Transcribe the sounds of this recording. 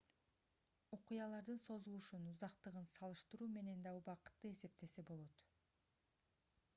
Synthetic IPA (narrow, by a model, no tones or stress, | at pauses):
oqujɑlˠɑɾd̪ɯnso̞zulˠuʃunuzɑqt̪ɯʁɯnsɑlˠɯʃt̪ɯɾuːme̞ne̞nd̪ɑubɑqɯ̥t̪ːɯe̞se̞p̚t̪e̞se̞bo̞lˠo̞t̪